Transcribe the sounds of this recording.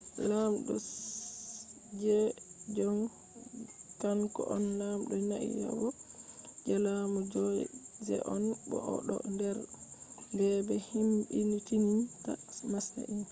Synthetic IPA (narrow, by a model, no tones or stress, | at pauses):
lamɗɔ | d͡ʒɛd͡ʒɔn | kankɔʔɔnlamɗɔnaʔḭja̰wɔ | d͡ʒalamud͡ʒɔd͡ʒɛ̰ʔɔnbɔʔɔ̰ɗɔ̰ndɛɾndɛbɛhimbinitininta̰masta̰ʔin